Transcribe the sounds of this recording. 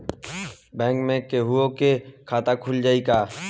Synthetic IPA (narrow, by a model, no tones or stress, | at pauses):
bɛ̃ːŋkmẽkeːɦʊokekʰaːt̪akʰʊld͡ʒaːiːkaː